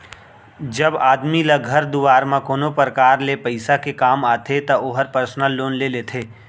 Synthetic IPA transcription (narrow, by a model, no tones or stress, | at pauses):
d͡ʒɐbaːd̪milɐɡʱɐɾd̪uʋaːɾmãkoːnopəɾkaːɾlepɐɪsakekaːmaːt̪ʰet̪ɐʔoːɦəɾpəɾsnəlːoːnleleːt̪ʰeː